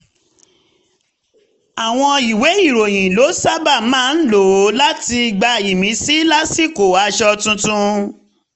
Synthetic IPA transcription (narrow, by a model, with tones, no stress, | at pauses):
a˨w̃ɔ̃˧i˨we˨˦i˦˨ɾo˨j̃ĩ˨lo˨˦sa˦ba˦˨mãː˦n̩˦lo˨o˨˦la˦ti˧ɡ͡ba˧i˨mĩ˨˦si˦la˦si˦˨ko˨wa˨˦ʃɔ˧tũ˧tũ˧